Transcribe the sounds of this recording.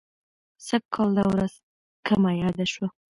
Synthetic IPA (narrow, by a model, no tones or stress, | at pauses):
sab̚kʰɑld̪awɾaz̥ | kamajɑd̪aʃwa